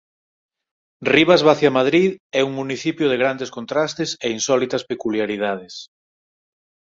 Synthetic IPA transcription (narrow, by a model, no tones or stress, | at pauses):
riβazβaθjamað̞ɾiðɛuŋmuniθipjoð̞eɣɾand̪eskont̪ɾast̪eseinsɔlit̪ɐspekuljaɾið̞að̞ɪs